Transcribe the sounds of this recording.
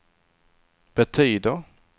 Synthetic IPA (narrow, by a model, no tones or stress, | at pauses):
b̥ɛt̪ʰyːd̪əɾ